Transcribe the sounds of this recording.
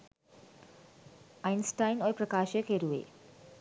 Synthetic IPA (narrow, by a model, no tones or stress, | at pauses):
ajnsʈajnojpɾəkaːʃekɦeɾuḛ